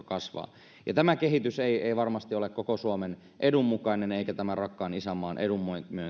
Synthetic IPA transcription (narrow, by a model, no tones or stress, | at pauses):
kɑsʋɑ̰ː | jɑt̪æmækeɦit̪yseieiʋɑrmɑst̪iolekkokosuomen | ʔedumːukɑineneikæt̪æmærɑkːɑːnisæmːɑːnʔedumːoimyø